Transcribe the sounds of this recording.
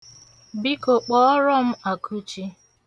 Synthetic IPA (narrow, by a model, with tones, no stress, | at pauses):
bi˦ko˨k͡pɔ˦ɔ˦ɾɔ˦m̩˦a˨kʰu˦t͡ʃi˦